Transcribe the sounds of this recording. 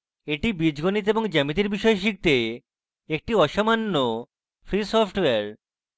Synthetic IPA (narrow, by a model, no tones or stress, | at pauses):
eʈibid͡ʑɡonit̪eboŋd͡ʑɛmit̪̬iɾbiʃɔeʃ̬ik̚t̪e | ek̚ʈiɔʃamanːo | fɾisɔpʰʈweaɾ